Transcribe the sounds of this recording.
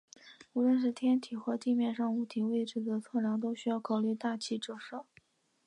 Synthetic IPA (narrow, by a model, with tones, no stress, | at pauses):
u˧˥lwə˥˧nʂ̬ɻ̩˥˩t̪ʰjɛ˥nt̪ʰi˨˩xɤ˧˥t̪i˥˧mjɛ˥˧nʂɑ˥˩ŋu˧˩t̪ʰi˧˥we˥˩ɪʈ͡ʂɻ̩˨˩d̪ə˦t͡sʰɤ˥˩ljɑ˧˥ŋt̪o˥ʊɕy˥jɑ˥˩ʊkʰɑ˨˩ʊly˥˧t̪a˥˩t͡ɕʰi˥˩ʈ͡ʂɤ˥˩ʂɤ˥˩